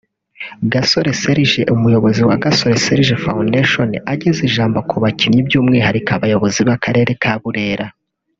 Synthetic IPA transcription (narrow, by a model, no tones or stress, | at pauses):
ɡaso̞ɾe̞se̞ɾiʒe̞ʔumujo̞βo̞ziwaɡaso̞ɾese̞ɾiʒefaundeʃo̞naɟeziʒaːmbokʰuβacinɲibjuːmŋiːhaɾikaβajo̞βo̞ziβakaɾe̞ːɾe̞kʰaβuɾe̞ːɾa